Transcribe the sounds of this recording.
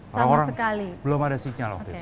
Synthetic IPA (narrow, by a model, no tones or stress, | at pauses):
soaɾaŋoɾasəkalibəlomadasiɲalɔ̰t̪i